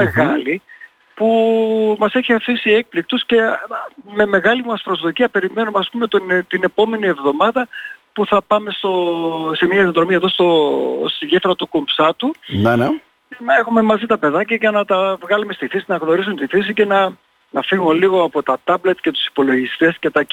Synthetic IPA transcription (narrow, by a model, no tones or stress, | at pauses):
meɣɐli | pumɐse̞çiɐfisie̞k̚plik̚t̪usce̞ | me̞me̞ɣɐlimɐspɾo̞zðo̞ciɐpe̞ɾime̞numeɐspume̞t̪ont̪ine̞po̞me̞nie̞vðo̞mɐðɐpuθɐpɐme̞st̪o̞se̞mɐinoðɾo̞miɐfðost̪o̞̰st̪iʝeftɾɐt̪ukompsɐt̪une | enɐe̞xume̞mɐzit̪ɐpe̞ðɐcɐʝɐnɐt̪ɐvɣɐlume̞st̪iθisinɐɣno̞ɾisunt̪iθisice̞nɐ | nɐfiɣoliɣo̞ɐpo̞t̪ɐt̪ɐble̞t̪ce̞t̪u̥si̥po̞lo̞ʝist̪e̞sce̞t̪ɐ